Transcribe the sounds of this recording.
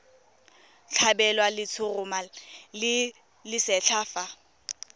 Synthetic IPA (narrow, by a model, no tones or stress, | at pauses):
t͡ɬʰabɛlwalɪt͡sʰʊrʊmalɪ | lɪsɛt͡ɬʰaːfa